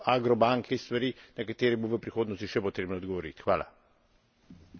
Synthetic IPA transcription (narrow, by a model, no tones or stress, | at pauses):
aɡɾɔbaŋkʰist̪ʋɐɾiːnɐkat̪eːɾiboʋəpɾixoːd̪nɔst̪iʃɛpɔt̪ɾeːbnɔɔd̪ɡɔʋɔɾḭt̪xʋaːla̰